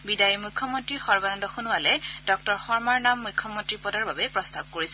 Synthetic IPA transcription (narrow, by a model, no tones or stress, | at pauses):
bidajimukʰːɔmɔntɹixɔɹbanɔndɔxunualɛd̥ɔk̚tɔɹxɔɹmaɹnamːujkʰːɔmɔntɹipɔdaɹbabɛpɹɔstab̚koɹisɛ